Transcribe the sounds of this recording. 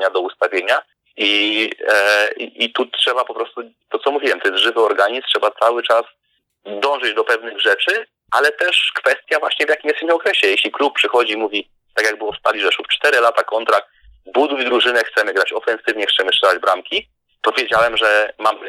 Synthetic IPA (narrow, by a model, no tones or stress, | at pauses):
ɲad̪ɔust̪avʲjeɲa | i | ḭʔːt̪utʂɛbapɔpɾɔst̪ut̪ɔt̪sɔmuvʲiwɛmt̪ɔjɛst̪ʐɘvɘɔɾɡaɲistʂɛbat̪sawɘt͡ʂas | d̪ɔ̃w̃ʐɘd͡ʑd̪ɔpɛvnɘɣʐɛt͡ʂɘ | ʔalɛt̪ɛʂkfɛst̪ʲjavwaɕɲɛvjakʲimjɛst̪imʲɔkɾɛɕɛjɛɕlʲiklup̚pːʂɘxɔd͡ʑiːmuvʲi | t̪akjaɡ̚bɘwɔfst̪alʲiʐɛʂuft͡ʂt̪ɛɾɘlat̪akɔnt̪ɾak̚t̪ | bud̪ujd̪ɾuʐɘnɛxt̪sɛmɘɡɾat͡ɕɔfɛ̃nsɘvɲɛxt̪sɛmɘʂt͡ʂɛlad͡ʑbɾamkʲi | pɔvʲjed͡ʑawɛmʐɛmam